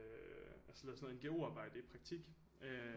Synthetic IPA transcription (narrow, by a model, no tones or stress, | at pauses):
ælsə̥lɛð̰ˠsnːð̩ˠenɡ̥e̝o̝ɑ̈ːb̥ɑ̈ɪ̰d̥əipʰʁɑ̈ɡ̥̚t͡sʰiɡ̥ | ø